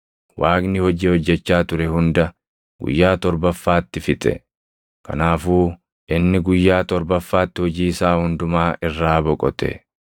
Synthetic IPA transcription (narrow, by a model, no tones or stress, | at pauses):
wʔaːknɪhɔd͡ʒihɔd͡ʒːɛt͡ʃːaːt̪ʊɾɛhʊnd̪ɐ | ɡ̥ʊ̰jːaːt̪ɔɾbɐfːaːt̪ːɪfɪt̪ʼɛ̰ | kɐ̰naːfuː | ɪnːɪɡʊjːaːt̪ɔɾbɐfːaːt̪ːɪhɔd͡ʒiːsaːhʊnd̪ʊmaːʔɪrːaːbɔkʼɔt̪ɛ̰